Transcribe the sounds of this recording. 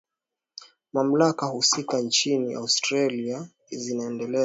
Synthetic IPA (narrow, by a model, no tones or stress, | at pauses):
mam̩lakahusikant͡ʃiniʔa̰ustɾalia | zinaɛndɛlɛ